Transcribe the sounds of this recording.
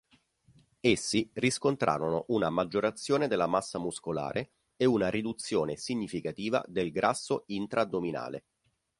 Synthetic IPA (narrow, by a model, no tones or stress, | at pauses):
esːiriskont̪ɾʔa̰ːɾonoʔunamad͡ʒːoɾat̪sːjoːned̪elːamasːamuskola̰ːɾʔe | eunaɾid̪ut̪sːjoːnesiɲːifikat̪iːva̰d̪elɡɾʔasːoint̪ɾʔad̪omina̰ːlḛ